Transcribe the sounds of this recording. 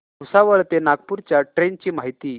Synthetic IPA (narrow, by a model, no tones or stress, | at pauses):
usaʋəɭt̪enaɡ̚puɾt͡ɕjaʈɾent͡ɕiːmaɦit̪iː